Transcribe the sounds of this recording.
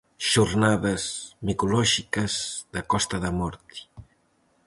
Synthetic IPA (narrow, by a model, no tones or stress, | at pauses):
ʃuɾnaðɐzmikulɔʒikɐzðakɔst̪ɐðɐmɔɾt̪i̥